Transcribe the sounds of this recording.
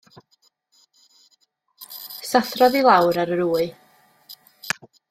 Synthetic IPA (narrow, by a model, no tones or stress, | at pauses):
saθrɔðilˠawɾaɾəɾuːɨ